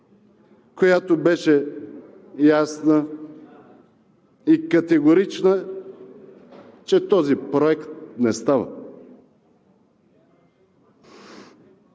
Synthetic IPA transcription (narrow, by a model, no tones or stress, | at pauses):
kojat̪obɛʃɛ | jasnə | ikɐt̪ɛɡoɾit͡ʃnə | t͡ʃɛt̪ɔzipɾoɛkt̪̚nɛst̪avə̰